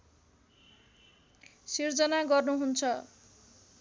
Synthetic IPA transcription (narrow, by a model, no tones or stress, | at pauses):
sird͡zʌnaɡʌrnuɦunt͡sʰʌ